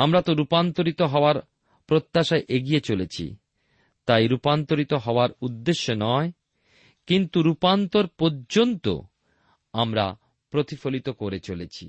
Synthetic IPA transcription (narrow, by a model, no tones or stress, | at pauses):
amɾat̪oɾupant̪oɾit̪oɦɔoaɾ | pɾot̪ːaʃaeʔeɡijet͡ɕolet͡ɕʰḭ | t̪ajɾupant̪oɾit̪oɦɔoaɾud̪ːeʃːonɔe | kint̪uɾupant̪oɾpoɾd͡ʑont̪o̰ | amɾa̰ | pɾot̪ʰifolit̪okoɾet͡ɕolet͡ɕʰi